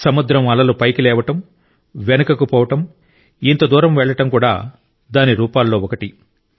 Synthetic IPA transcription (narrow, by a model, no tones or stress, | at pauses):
sɐmud̪ɾɐmɐlɐlupɐjkilɛːʋɐʈɐm | ʋenɐkɐkupɔːʋɐʈɐm | int̪ɐd̪uːɾɐmʋɛɭːɐʈɐmkuːɽa̰ː | d̪aːniɾuːpaːlːo̞ːɔkɐʈi